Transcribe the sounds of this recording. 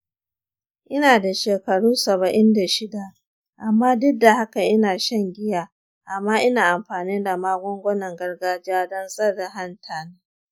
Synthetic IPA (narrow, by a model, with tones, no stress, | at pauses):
ʔɪ˦naː˨da˨ʃeː˨kɐ˨ɽuː˦sɐ˨bɐ˨ʔɪ˦nda˨ʃɪ˦da˨ʔ | ʔa˨mːaː˦dʊ˦k̚da˨ha˦ka˨ʔɪ˦naː˨ʃɐ˦˨ŋɡʲɪ˦jaː˦ | ʔa˨mːaː˦ʔɪ˦naː˨ʔa˨mɸaː˨ni˦da˨maː˦ɡʷɔ˦ŋɡʷɔ˦nɐ˨ŋɡɐ˦rɡaː˦d͡ʒɪ˦jaː˦dɔ˦nsʼɐ˦rːa˨ɦa˦ntʰaː˨na˦